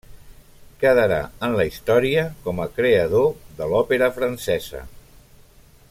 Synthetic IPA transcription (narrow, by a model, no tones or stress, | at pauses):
kəðəɾa̰ənləist̪ɔɾiəkɔməkɾeəð̞oðəlɔpeɾəfɾənsɛzə̰